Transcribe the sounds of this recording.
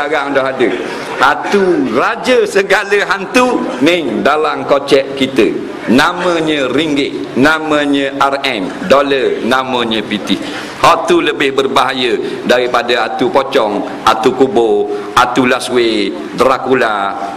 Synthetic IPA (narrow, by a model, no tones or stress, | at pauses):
aɣaŋdɔɦadə | hat̪urad͡ʒəsəɡaləɦant̪unɪŋdalamkot͡ʃɛʔkit̪ə | namə̃ɲə̃ɾiŋɡɪʔnamə̃ɲə̃ʔarɛm | dolənamə̃ɲə̃pit̪i | hɔʔt̪uləbɪhbərbaɦajədaɾipadaat̪upot͡ʃɔŋ | ʔat̪ukuboʔat̪ulaswe | d̪ɾakula